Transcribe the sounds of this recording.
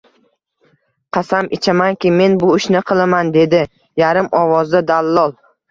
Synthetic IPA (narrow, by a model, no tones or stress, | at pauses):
qʰɑsamʔɪt͡ʃʰamankʲɪme̞nbʊɪʃnɪqʰɨlˠamand̪e̞d̪ɪ | jaɾɪmɒvɒzd̪ad̪alˠːɒlˠ